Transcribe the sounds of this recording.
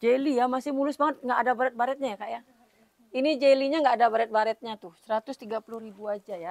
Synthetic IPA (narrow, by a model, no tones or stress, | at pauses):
d͡ʒelijamasɪhmulʊsbaŋət̪̚ŋɡaʔːdabaɾɛt̪̚baɾɛt̪̚ɲajakaʔja | inid͡ʒeliɲaŋɡaːdabaɾɛt̪̚baɾɛt̪̚ɲat̪ʊsəɾat̪ʊst̪iɡapulʊhɾibuad͡ʒaja